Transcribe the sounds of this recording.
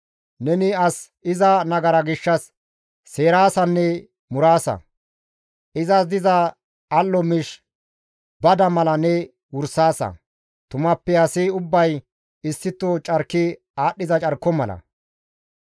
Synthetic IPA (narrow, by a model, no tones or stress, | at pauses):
nɛnɪɐs | ɪzɐnɐɡɐɾɐɡɪʃːɐsː | e̞ːɾaːsɐnːɛ | mʊɾaːsɐ̰ | ʔɪzɐd̪ɪzɐ | ɐlːɔmɪʃ | bɐd̪ɐmɐlɐnɛ | wʊɾsaːsɐ̰ | t̪ʊmɐpːɛɐsɪʊbːɐj | ɪsːɪt̪ːɔt͡ʃʼɐɾkːɪ | aːɗːɪzɐt͡ʃʼɐɾkːɔmɐlɐ̰